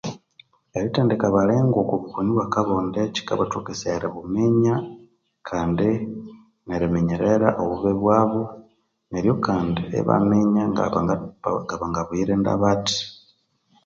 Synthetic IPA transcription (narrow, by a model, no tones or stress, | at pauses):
eɾitaːndekaβaleːŋɡokoβukoniβwakaβoːndeci̥ka̰βatukeseɾeβumeɲa | kʰaːndi | neɾemeɲeɾeɾaʔoβuβeβwaːβo | neɾjo̞kaːndiḛβa̰meɲa | ɡaβaŋɡaβwiɾenda̰βati̥